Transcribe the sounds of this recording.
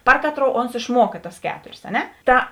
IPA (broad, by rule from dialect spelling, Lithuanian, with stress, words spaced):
ˈpɐr kɐˌtroːʊ oːns ɪʃˈmuɔkɐ tɐs ˈkʲæːtoːrʲeːs ɐ ˈnʲɛ ˈtɐ